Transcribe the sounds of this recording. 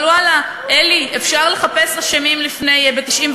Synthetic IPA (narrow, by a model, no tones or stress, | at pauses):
luala | ʔeliefʃaʁle̞χape̞slaʃemimlifne̞jbet̪iʃʔimv